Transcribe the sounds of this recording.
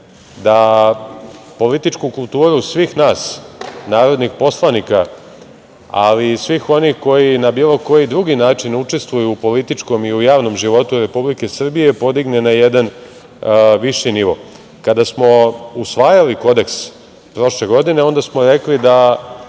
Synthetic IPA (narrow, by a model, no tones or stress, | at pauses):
d̪a | po̞lit̪it͡ʃkukulˠt̪uːɾusʋiːxnaːsnaːɾo̞d̪nixpo̞slˠanika | a̰lisʋiːxo̞nixko̞jinabiːlˠo̞ko̞jid̪ɾuɡinaːt͡ʂinut͡ʂe̞st̪ʋujuːpo̞lit̪it͡ʃko̞miujaːʋno̞mʒiʋo̞t̪uɾe̞publike̞sr̩bije̞po̞d̪iɡnenajed̪an | ʋiʃiniʋo̞̰ | kad̪asmo̞usʋaːjaliko̞d̪e̞ks | pɾo̞ʃle̞ɡo̞d̪ine̞o̞nd̪asmo̞ɾe̞klid̪a